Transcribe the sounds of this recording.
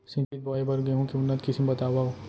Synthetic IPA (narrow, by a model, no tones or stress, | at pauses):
sɪ̃nt͡ʃit̪̚bɔːebɐɾɡɐeɦũkiʊnːət̪kɪsmebɐt̪aːʋaɦoː